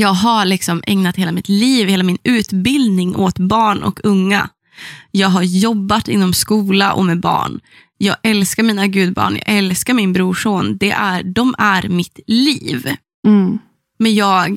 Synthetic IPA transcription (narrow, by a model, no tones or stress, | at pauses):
jɑːɡɦaɭɪksɔmʔɛ̰ŋnat̪heːlamɪt̪liːvheːlamɪnʉ̟ːt̪bɪld̪nɪŋʔot̪bɑːɳɔ̰kʰɵŋːa̰ | jɑːɡɦaɾjɔbːat̪ɪnːɔmskuːlaʔɔ̰mɛbɑ̰ːɳ | jɑːɡʔɛlskaɾmiːnaɡʉ̟ːd̪̚bɑ̰ːɳjɑ̰ːɡɛlskaɾmɪnbɾuːʂoːnd̪ɛʔæɖɔmæɾmɪt̪liːv | mɛnjɑːɡ